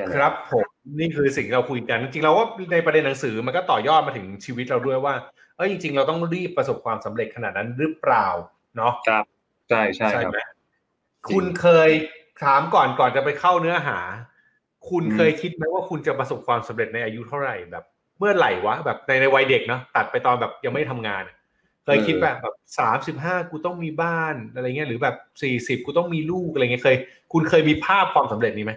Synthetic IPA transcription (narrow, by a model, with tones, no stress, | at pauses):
kʰɾa˦˥pʰːo˩˦mniː˥˩kʰɯː˧s̬i˨˩ŋt̪ʰi˥˧ɾwkʰu˧jka˧nt͡ɕi˧ŋt͡ɕi˧ŋɾa˧waː˥˩na˧jpɾa˧de˧nːa˩˦ŋsɯː˩˦ma˧nkɔː˥˩t̪ɔː˨˩jɔː˥˩t̪̚maː˧t̪ʰɯ˩˦ŋt͡ɕʰiː˧wi˦˥t̪̚ɾa˧wdu˥˩əjwaː˥˩ | ʔɤː˦˥jt͡ɕi˧ŋt͡ɕi˧ŋɾa˧wt̪ɔ˥˩ŋɾiː˥˩pːɾa˧so˨˩p̚kʰwaː˧msa˩˦mɾe˨˩t̪̚kʰa˧naː˨˩t̪̚na˦˥nɾɯ˦˥pɾaː˨˩w | nɔ˦˥kʰa˦˥ | t͡ɕʰa˥˩jt͡ɕʰa˥t͡ɕjʰa˥˩˦ma˦˥ | kʰu˧nkʰɤː˧jsʰaː˩˦mkɔː˨˩nkɔː˨˩nt͡ɕa˨˩pa˧jkʰa˥˩wnɯ˦˥ɐɦa̰ː˩˦ | kʰu˧nkʰɤː˧jkʰi˦˥t̪̚ma˦˥waː˥˩kʰu˧nt͡ɕa˨˩pɾa˧so˨˩p̚kʰwaː˧msa˩˦mɾe˨˩t̪̚na˧jʔaː˧ju˦˥t̪ʰa˥˩wɾa˨˩jbɛ̰ː˨˩p̚ | mɯ˥˩ɐla˨˩jwa˦˥bɛː˨˩p̚na˧jna˧jwa˧jde˨˩k̚nɔ˦˥t̪a˨˩t̪̚pa˧jt̪ɔː˧nbɛː˨˩p̚ja˧ŋma˥˩jt̪ʰa˧mŋaː˧nʔa˨˩ʔ | kʰɤː˧jkʰi˦˥t̪̚bɛː˨˩p̚bɛː˨˩p̚saː˩˦msi˨˩p̚ɦaː˥˩kuː˧t̪ɔ˥˩ŋmiː˧baː˥˩nʔa˧a˧jŋ˦˥ɐ˥ɾɯː˩˦bɛː˨˩p̚siː˨˩si˨˩p̚kuː˧t̪ɔ˥˩ŋmiː˧luː˥˩k̚a˧˨ŋi˦˥kʰɤː˧j | kʰu˧nkʰɤː˧jmiː˧pʰaː˥˩p̚kʰwaː˧msa˩˦mɾe˨˩t̪̚niː˦˥ma˦˥j